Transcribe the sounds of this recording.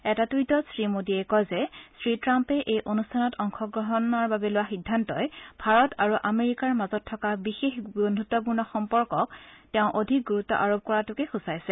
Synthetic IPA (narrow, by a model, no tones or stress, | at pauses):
ɛtatujtɔsɹimodiɛkɔjzɛsɹitɹampɛʔejʔonustʰanɔtɔŋxɔɡɹɔɦɔnɔɹbabɛlʊwaxidʱːantɔjbʱaɹɔtaɹuʔameɹikaɹmazɔtʰːɔkabixexɡonʱutːɔp̬uɹnɔxɔmpɔɹkɔktɛʊ̃ʔodʱik̚ɡuɹutːɔ̰ʔaɹob̚ʱkɔɹatʊkɛxusajsɛ